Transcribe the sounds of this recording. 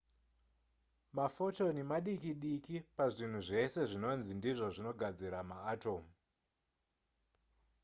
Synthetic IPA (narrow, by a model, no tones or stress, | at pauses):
mafo̞to̞nemaɗikiɗikipaʐin̤uʐe̞se̞ʐino̞nzindiʐo̞ʐino̞ɡʱad͡ziɾamaːto̞mu